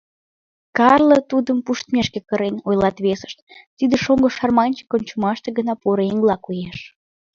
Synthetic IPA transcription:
kɑrlət̪ud̪əmpuʃt̪mʲeʃkekəɾenojlɑt̪βesə̥ʃt̪̚t̪id̪ĕʃoŋɡoʃɑrmɑnʲt͡ɕe̥konʲt͡ɕumɑʃt̪eɡənɑpoɾəeŋɡlɑkujeʃ

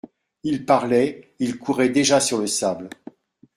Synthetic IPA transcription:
ilpaʁlɛilkʰuʁɛd̪eʒasyʁləsabl

